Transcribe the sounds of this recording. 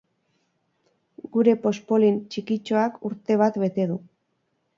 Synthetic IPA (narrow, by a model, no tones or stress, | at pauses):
ɡuɾe̞po̞spo̞lint͡ʃikit͡ʃo̞akuɾt̪e̞β̞at̪βe̞t̪e̞ðu